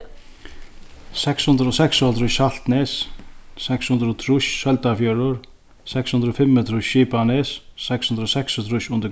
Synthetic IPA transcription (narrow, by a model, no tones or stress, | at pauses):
sɛkshʉnd̪ɾəɔsɛksɔt̪ɾʊʃal̥t̪nɛssɛkshʉnd̪ɾɔt̪ʰɾʊʃsœlt̪afjœɾʊɾ | sɛkshʉnd̪ɾɔfɪmːət̪ʰɾʊʃːipanɛsːɛkshʉnd̪ɾɔsɛkst̪ʰɾʊʃʊnd̪ə